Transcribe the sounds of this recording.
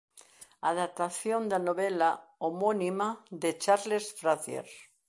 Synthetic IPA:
aðap̚t̪aθjond̪anoβelaomonimaðet͡ʃaɾlesfɾaθjḛɾ

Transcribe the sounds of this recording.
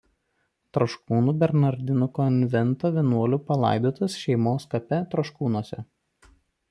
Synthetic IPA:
t̪ɾoʃkuːnuːbʲɛɾnɐɾʲd̪ʲɪnʊkɔnʲʋʲɛnt̪oːʋʲiɛnuɔlʲuːpɐlˠɑ̰ˑɪd̪oːt̪ɐsʃʲɛɪmoːskɐpʲɛt̪ɾoʃkuːnuɔsʲɛ̰

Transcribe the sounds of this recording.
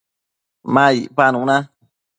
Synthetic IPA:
mãipanũnã

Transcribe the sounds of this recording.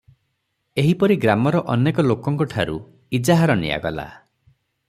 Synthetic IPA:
eɦipɔɾiɡɾamɔɾɔʔɔnekɔlokɔŋkɔʈʰaɾṵ | id͡ʒaɦaɾɔnḭja̰ɡɔla̰

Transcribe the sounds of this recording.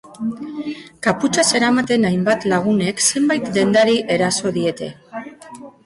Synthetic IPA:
kaput͡ʃase̞ɾamat̪e̞najmbat̪laɣ̞une̞kse̞mbajt̪d̪e̞nd̪aɾiʔe̞ɾaso̞ðie̞t̪e̞̰

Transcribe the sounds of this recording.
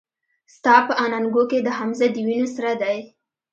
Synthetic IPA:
st̪ɑpəʔɑnaŋɡoked̪əɦamzad̪əwinosaɾad̪aj

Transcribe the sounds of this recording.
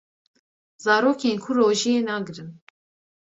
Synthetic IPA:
zɑːɾoːkʰeːnkʰuroːʒijeːnɑːɡɨɾɨn

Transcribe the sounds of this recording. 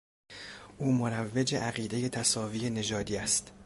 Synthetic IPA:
ʔuːmoɾævːed͡ʒeʔæɣiːd̪e̞je̞t̪ʰæsɒːviːe̞ne̞d͡ʒɒːd̪iːæst̪

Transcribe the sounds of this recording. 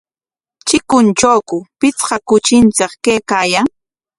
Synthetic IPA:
t͡ʃɪkʊnt͡ʃawkʊpɪt͡sqɑkʊt͡ʃɪnt͡sɪqkejkaːjaŋ

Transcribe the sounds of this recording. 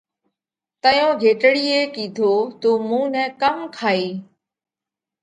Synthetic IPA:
t̪əjõːɡʱeːʈɽiːeːkiːd̪ʱoːt̪oːmũːnɛ̃ːkəmkʰaːiː

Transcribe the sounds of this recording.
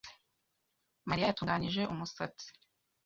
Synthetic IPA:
maɾijajatuːŋɡaniʒe̞ʔumusa̰t͡si̥

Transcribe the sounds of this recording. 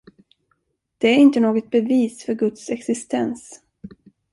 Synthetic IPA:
d̪̥ɛæɾɪnt̪ənoːɡɔt̪̚bɛviːsfœɾɡɵt̪sɛksɪst̪ʰɛns

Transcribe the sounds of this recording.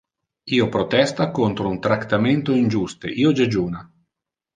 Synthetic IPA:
iːopɾot̪ɛst̪akont̪ɾount̪ɾakt̪ːament̪oind͡ʒust̪ḛʔiːod͡ʒad͡ʒuːna

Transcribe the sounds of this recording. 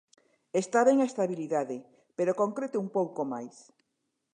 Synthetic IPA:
est̪aβeŋaest̪aβiliðaðe | peɾokoŋkɾet̪eumpowkomajs

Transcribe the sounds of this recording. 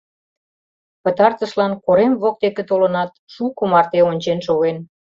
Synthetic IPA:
pət̪ɑrt̪əʃlɑnkoɾemβok̚t̪eket̪olə̆nɑt̪ʃukumɑrt̪eonʲt͡ɕenʃoɣen

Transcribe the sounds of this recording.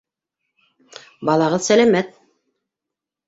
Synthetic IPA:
bɑlˠɑʁɤðsælæmæt̪̚

